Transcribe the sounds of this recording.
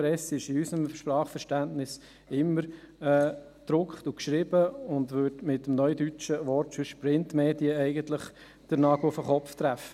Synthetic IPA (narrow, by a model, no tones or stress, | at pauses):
ɾɛsɪʃɪysəmʃpɾɑːχfəɾʃtæntnɪs | ɪmːəɾ | ɛː | d̪̥ɾʊkχtʊkʃɾɪbəʊndʋøɾdmɪtːəmnœʏdyt͡ʃəʋɔɾtfyʃpɾɪntmeːdiəɛɪɡəntlɪχ | d̥əɾnɑɡl̩ʊfəχɔpft̪ɾæfə